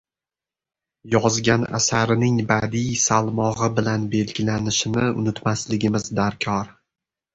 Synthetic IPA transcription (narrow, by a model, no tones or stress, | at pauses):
jɒzɡʲana̰saɾɪnɪŋbad̪ijsalˠmɒʁɨbɪlanbe̞lɡʲɪlanɪʃɪnɪʊ̰nɪt̪maslɪɡʲɪmɪzd̪aɾkʲʰɒɾ